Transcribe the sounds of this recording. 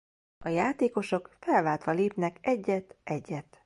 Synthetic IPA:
ɒjaːt̪eːko̞ʃo̞kfɛlvaːlt̪ʋɒleːpnɛkɛɟːɛt̪ʔɛɟːɛt̪

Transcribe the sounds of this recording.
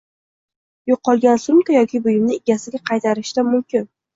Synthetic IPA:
joqʰːɒlˠɡʲansʊmkajɒkʲɪbʊjɪmnɪɪɡʲasɪɡʲaqʰɑjt̪ʰaɾɪʃt̪amʊmkʲʰɪn

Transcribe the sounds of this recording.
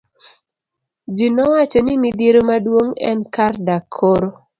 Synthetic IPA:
d͡ʒinɔwat͡ʃɔnɪmid̪iɾomadwoŋɛ̰nkardakʰːoɾo

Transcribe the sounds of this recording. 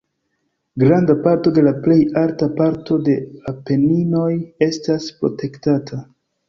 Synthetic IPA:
ɡɾandapaɾto̞de̞laple̞jaltapaɾto̞de̞ape̞nino̞je̞staspɾo̞̰te̞ktatʰa

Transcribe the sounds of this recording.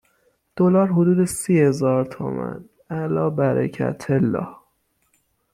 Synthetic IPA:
d̪̥olɒːɾɦod̪uːd̪esihe̞zɒːɾt̪ʰo̰mæ̰n | ælɒːbæɾæ̰cʰæ̰t̪ʰelːɒ̰ːh

